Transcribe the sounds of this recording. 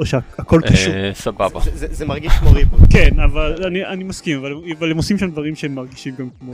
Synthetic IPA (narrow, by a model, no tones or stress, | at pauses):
oʃeaako̞lkausababa̰zzezemaʁɡiʃmoʁikenavalanianimaskimavaleavalemosimʃamd̪vaʁimʃeemːaʁɡiʃimɡamkmo